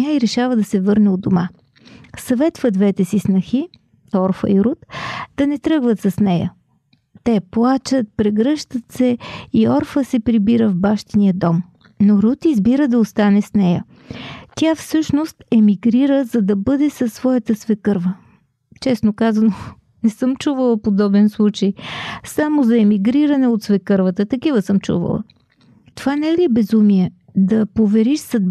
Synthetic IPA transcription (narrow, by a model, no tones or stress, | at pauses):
aiɾɛʃavəd̪ɐsɛvɤɾnɛod̪oma | sɐvɛt̪vəd̪vɛt̪ɛsisnɐxi | ɔɾfə̰iɾut̪d̪̥ɐnɛt̪ɾɤɡvət̪sɐsnɛjə̰ | t̪ɛplˠat͡ʃət̪̚pɾɛɡɾɤʃt̪ət̪sɛiɔɾfəsɛpɾibiɾəvbaʃt̪inijəd̪ɔm | noɾut̪izbiɾəd̪ɐost̪anɛsnɛjə | t̪ʲafsɤʃnost̪ɛmiɡɾiɾəzɐd̪ɐbɤd̪ɛsɐsːvɔjət̪əsvɛkɤɾvə | t͡ʃɛsnokazɐno | nɛsɤmt͡ʃuvəlˠəpod̪ɔbɛnslˠut͡ʃəjsamozɐɛmiɡɾiɾɐnɛot̪svɛkɤɾvət̪ət̪ɐkivəsɤmt͡ʃṵvə̰lˠə̰ | t̪ovanɛliɛbɛzumiɛ | d̪ɐpovɛɾiʃsɐ